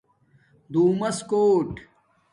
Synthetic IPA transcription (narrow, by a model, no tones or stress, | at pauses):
d̪uːmɐskoːʈ